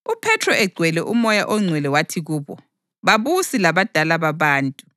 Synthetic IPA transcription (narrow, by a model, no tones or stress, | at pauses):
upʰɛtʰrɔɛɡ͡ǀʱwɛlɛʔumɔjaʔɔŋ͡ǀʱwɛlɛwatʰiɣuːβɔ | βaβusilaβad̥ʱalaβaβaːntʼu